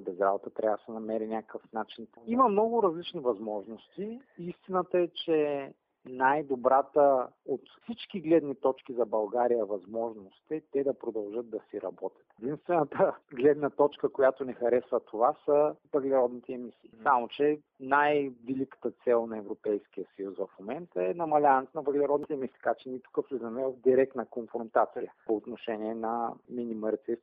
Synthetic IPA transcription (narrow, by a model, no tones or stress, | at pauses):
bɛzɾabot̪ət̪ɾʔavsɛnɐmɛɾinʲakəkəfnat͡ʃinimɐmnɔɡʊɾɐzlit͡ʃnivɐzmɔʒnost̪iist̪inət̪əɛt͡ʃɛ | najd̪obɾat̪əot̪fsit͡ʃkiɡlɛd̪nit̪ɔt͡ʃkizɐbɐlˠɡaɾijəvɐzmɔʒnost̪ɛt̪ɛd̪ɐpɾod̪ɐlˠʒɤt̪̚d̪ɐsiɾɐ̰bɔt̪ʲɐ̥t̪d̪inst̪vɛnət̪əɡlɛd̪nət̪ɔt͡ʃkəkojat̪onɛxɐɾɛsvət̪ʰovasɐvəɡlʲɛɾɔd̪nit̪ʰɛːmisiːsamot͡ʃɛ | najvilikə̥t̪ət̪sɛlˠnɐɛvɾopɛjsk̟ijəsɐjusvɐfmomɛnt̪əɛnɐmɐlʲanɛt̪nɐvəɡlʲɛɾɔd̪nit̪ɛmisi̥ːt̪əkat͡ʃɛnit̪u̥kəfɛzɐmɛvəvd̪iɾɛk̚t̪nəkonfɾont̪at̪sḭjəpoːt̪noʃɛniɛnɐminiməɾt̪ɛ